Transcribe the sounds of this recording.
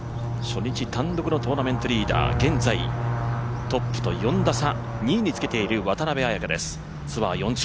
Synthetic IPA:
ɕo̞ɲ̟ːit͡ɕit̪ãnd̪okɯ̟not̪o̞ːnamẽ̞nt̪o̞ɾʲiːd̪a̰ːɡẽ̞nd͡zai | t̪o̞pːɯ̟̥t̪o̞̰jõ̞nd̪asa | ɲ̟iːɲ̟it͡sɨ̥ke̞t̪e̞iɾɯ̟βat̪anabeajakad̪e̞sɨ̥ | t͡sɨβa̰jõ̞ɲd͡ʑ

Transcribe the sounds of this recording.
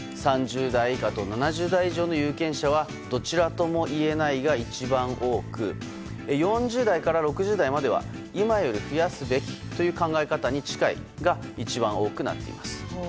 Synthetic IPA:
sãɲd͡ʑɨːd̪aikat̪o̞nanaʑɨːd̪aiʑo̞ːno̞jɯːkẽ̞ɰ̃ɕaβ̞a | d̪o̞t͡ɕiɾat̪o̞mo̞ʔie̞naiɡait͡ɕibãɰ̃ʔo̞ːkɯ̟̰ | ejõ̞ɲ̟d͡ʑɨːd̪aikaɾaɾo̞kɯ̟ʑɨːd̪aimad̪e̞βa̰ | imajo̞ɾʲiɸɯ̟jasɨbe̞kʲi̥t̪o̞jɯ̟ːkãŋɡae̞kat̪aɲ̟it͡ɕi̥kaḭɡait͡ɕibãɰ̃o̞ːkɯ̟na̰t̪ːe̞̰ḭmasɨ̥

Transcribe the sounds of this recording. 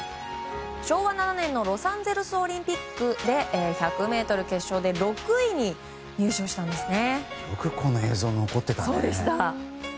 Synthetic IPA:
ɕo̞ːɡanananẽ̞nːo̞ɾo̞sãnd͡ze̞ɾɯ̟sɨo̞ɾʲĩmpʲikːɯ̟d̪e̞ʔːçakɯ̟me̞ːt̪o̞ɾɯ̟ke̞ɕːo̞ːd̪e̞ɾo̞kɯ̟iɲ̟i | ɲ̟ɨːɕɨːɕi̥t̪ãnd̪e̞sɨne̞bokɯ̟kʰonoe̞ːzo̞ːnoko̞t̪ːe̞t̪asoːd̪e̞ɕi̥t̪a

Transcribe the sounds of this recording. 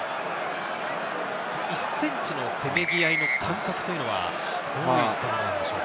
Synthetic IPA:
soisːẽ̞ɲt͡ɕɨno̞se̞me̞ɡʲiaino̞kʰãŋkakɯ̟t̪ojɯ̟no̞βa̰ | d̪̥oːjot̪ːananãnd̪eɕo̰k

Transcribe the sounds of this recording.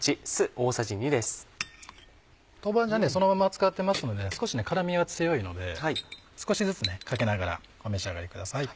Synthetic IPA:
t͡ɕisɨo̞ːsaʑiɲ̟id̪esɨ̥ | t̪o̞bãd͡ʑane̞so̞no̞mamat͡sɨ̥kat̪ːe̞masɨno̞d̪e̞sɨ̥ko̞ɕine̞kaɾamʲiat͡sɨ̥sejo̞ino̞d̪e̞hai | sɨ̥ko̞ɕizɨt͡sɨne̞kake̞naɡaɾa̰ | ɡome̞ɕiaɡaɾʲikɯ̟d̪asai

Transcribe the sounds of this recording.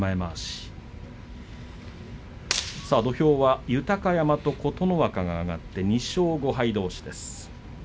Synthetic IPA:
maemaɕi̥ | saːd̪o̞çʲo̞ːβajɯ̟t̪akajamat̪o̞ko̞t̪o̞noβakaŋaːɡa̰t̪ːe̞ɲ̟iɕo̞ːɡo̞ɦaid̪o̞ːɕi̥d̪e̞sɨ̥

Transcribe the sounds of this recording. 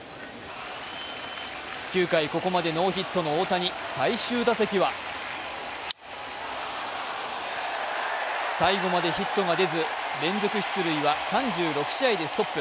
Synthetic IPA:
kʲɨːkaiko̞ko̞mad̪e̞no̞ːçit̪ːo̞no̞oːt̪aɲ̟isaiɕɨːd̪ase̞kʲiβa | saiɡo̞mad̪e̞çit̪ːo̞ŋad̪e̞zɨɾẽ̞nzo̞kɯ̟ɕi̥t͡sɨɾɯ̟iβasãɲd͡ʑɨːɾo̞kɯ̟̥ɕiaid̪e̞sɨ̥t̪o̞pːɯ̟

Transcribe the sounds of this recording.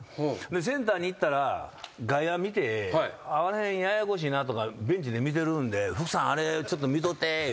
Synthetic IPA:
ond̪es̬ẽ̞nt̪aːɲ̟iit̪ːaɾaɡaiβamʲit̪e̞aβaɾahẽɰ̃jajakoɕ̬iːnat̪o̞kabẽ̞ɲ̟t͡ɕid̪e̞mʲit̪̬e̞ɾɯ̃nd̪e̞ɸɯ̟kɯ̟̥sãɰ̃aɾe̞t͡ɕo̞t̪ːomʲit̪̬ot̪ːe

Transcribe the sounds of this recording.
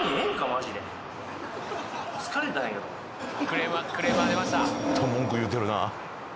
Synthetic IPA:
ẽŋkamaʑid̪e | skaɾet̪aɦẽŋked̪o̰ | kɯɾemkɯɾemɯaɾemaɕt̪at̪ʰõmːõŋkɯ̟jɯt̪ːeɾɯ̟na̰

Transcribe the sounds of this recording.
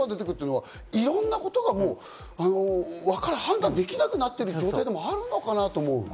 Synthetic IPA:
ad̪e̞t̪e̞kɯ̟t̪ːeɯnoa | iɾõ̞nːako̞t̪o̞ɡamo̞ː | ano̞βakaɾehãnd̪ãnd̪e̞kʲinakɯ̟nat̪ːe̞ɾɯ̟d͡ʑo̞ːt̪aid̪e̞mo̞aɾɯ̟no̞kanat̪o̞ːmo̞ɯ̰

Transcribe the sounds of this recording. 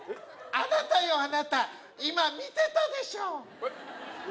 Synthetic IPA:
anat̪ajoanat̪a | imãmĩt̪et̪ad̪eʃã

